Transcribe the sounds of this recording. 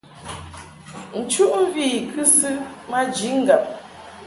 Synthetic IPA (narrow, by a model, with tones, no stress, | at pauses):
n̩˨t͡ʃu˦ʔm̩˦viː˦˨kʰɨ˦sɨ˦ma˦d͡ʒi˨˦ŋ̩˦˨ɡa˨p̚